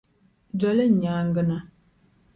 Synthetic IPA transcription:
d͡ʒɔ˨lɨ˦˨ɲaː˨˦ŋɡə˦na˨

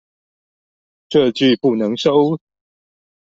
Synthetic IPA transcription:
ʈ͡ʂɤ˥˧t͡ɕy˥˨pu˥˩nɤ˨˧˦ŋʂo˦ʊ

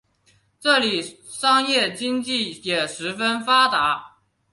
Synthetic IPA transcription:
ʈ͡ʂɤ˥˩li˨˩ | ʂɑ˥ŋjɛ˥˩t͡ɕi˥ŋt͡ɕi˥˩jɛ˨˩ʂɻ̩˧˥fə˥nfa˥t̪a˧˥

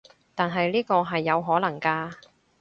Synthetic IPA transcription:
t̪aː˨nɦɐ˨jliː˥kɔː˧ɦɐ˨jːɐ˨˧wɦɔː˨˥lɐ˨˩ŋkaː˧

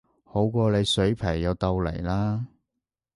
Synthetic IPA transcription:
ho˨˥wkʷɔː˧le˨˧jsɵ˨˥ɥpʰɐ˨˩jjɐ˨˧wt̪ɐ˧wlḛ˨˩jlaː˥

